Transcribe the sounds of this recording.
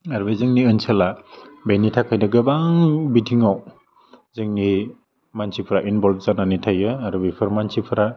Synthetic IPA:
aɾbezɯŋniɯnsʰalabejnitʰakʰajdaɡɯbaŋbitʰiŋaw | zɯŋni | mansʰipʰɾaʔinbɔlb̚zananitʰajɯaɾɯbipʰɯɾmansipʰɯɾa

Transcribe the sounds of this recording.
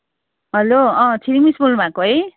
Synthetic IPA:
ɦʌloʌ̃t͡sʰiɾimisbulbʱãkoɦʌj

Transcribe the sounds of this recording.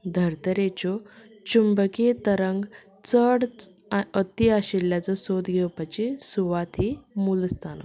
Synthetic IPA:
d̪ʱəɾt̪əɾet͡ɕɔ | t͡ɕumbəket̪əɾəŋɡ | t͡səɽ | ət̪iaɕilːjat͡səsod̪ɡʱewpat͡ɕesuʋat̪ɦimulst̪ʰanə̰

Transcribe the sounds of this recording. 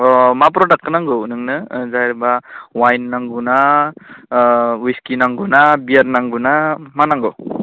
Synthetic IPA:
ɔmap̬ɾɔdak̚kɯnaŋɡɯnɯŋnɯzajɾbawajnːaŋɡuna | wiskinaŋɡunabijaɾnaŋɡunamanaŋɡɯ

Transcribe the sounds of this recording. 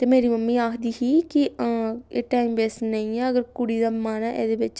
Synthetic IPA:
t̪eːmeːɾiːməmːiːaːkʰd̪iːɦiːki | eːʈaːiːmbeːsnəĩːɛːəɡəɾkʊɽiːd̪aːmaːnaːʔɛ̰ːd̪eːbɪt͡ʃ

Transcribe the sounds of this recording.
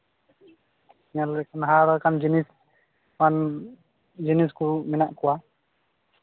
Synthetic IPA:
ɲalɛkanɦaɾakamd͡ʒinis | man | d͡ʒiniskumɛnaʔkɔwa

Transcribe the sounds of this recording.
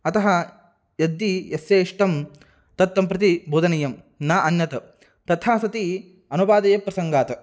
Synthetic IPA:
ɐt̪ɐɦɐ | jɐd̪ːijeseːʂʈɐm | t̪ɐt̪ːɐmpɾɐt̪iboːd̪ɐnɐjɐm | naːʔɐnjɐt̪ɐ | t̪ɐt̪ʰaːsɐt̪i | ɐnubaːd̪ɐjɐpːɾɐsɐŋɡaːt̪ɐ

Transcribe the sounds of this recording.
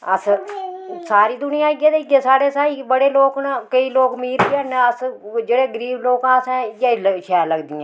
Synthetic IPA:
əs | saːɾiːd̪ʊnɪjãːɡeːd̪eɡeːsaːɽeːsaːiːbəɽeːloːknakəiːloːkmiːɾənəsd͡ʒeːɽeːɡəɾiːʋloːkãːsɛ̃ːjaːləʃɛːləɡd̪ɪːɛ̃

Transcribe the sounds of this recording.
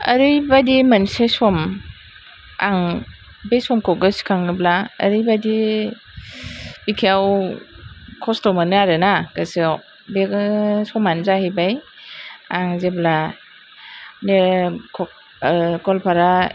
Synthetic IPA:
ɐ̰ɾɯjbadimansesɔm | aŋ | bejsɔmkʰɔɡɯskʰaŋɯblaɐ̰ɾɯjbadi | bikʰiaw | kʰɔstɔmanɯaɾɯnakasi | besɔmanzahejbaj | aŋzebla | nekʰɔ | kɔlpʰaɾa

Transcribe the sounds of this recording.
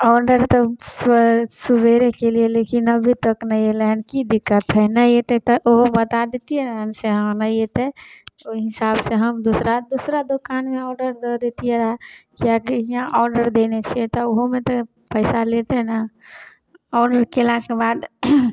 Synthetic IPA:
ɔɖəɾt̪ɔ | subʱeɾekelielekinəbʱit̪əknəjeleɦənkid̪ikːət̪ɦənəet̪et̪ɔʔoɦobət̪ad̪et̪ijeɾəɦənseɦə̃nəjet̪eoɦisabseɦəmd̪osɾad̪osɾad̪okanmeɔːɾɖəɾd̪əd̪et̪ijeɾəɦɛkiakiãʔɔɾɖəɾd̪enet͡ʃʰet̪ɔoɦomet̪ɔ | pəɪsalet̪enə | ɔːɾɖəɾkelãkebad̪

